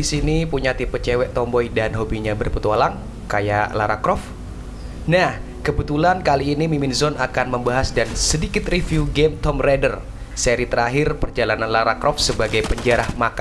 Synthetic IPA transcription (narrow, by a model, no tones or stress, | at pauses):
disinipuɲat̪ipət͡ʃɛwɛʔt̪ɔmbɔjdanɦobiɲabərpət̪ualaŋ | kajaʔlaɾakɾɔf | nah | kəbət̪ulankaliːnimiminzɔnakanməmbaɦasdansədikɪt̪rifiuɡemt̪ɔmredər | seɾit̪əɾaɦɪrpərd͡ʒalananlaɾakɾɔfsəbaɡajpəɲd͡ʒaɾahmaka